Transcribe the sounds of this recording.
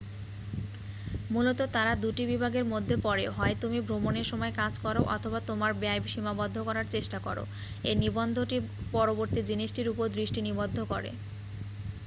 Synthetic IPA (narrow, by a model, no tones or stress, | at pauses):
mulot̪ot̪aɾad̪uʈibibʱaɡeɾmod̪ʱːepɔɾeɦɔet̪umibʱɾomoneɾʃɔmɔekad͡ʑkɔɾoʔɔ̰t̪ʰobat̪omaɾbeajbiʃimabɔd̪ʱːokɔɾaɾt͡ɕeʃʈakɔɾo̰ | enibond̪ʱoʈipɔɾoboɾt̪id͡ʑiniʃʈiɾupoɾd̪ɾiʃʈinibod̪ʱːokɔɾḛ